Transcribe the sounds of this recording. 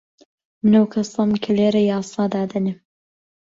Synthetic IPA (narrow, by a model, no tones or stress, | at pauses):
mɨnɐwkʰɐsɑmkʰɐleːɾɐjɑːsˤɑːd̪aːd̪ɐnɪ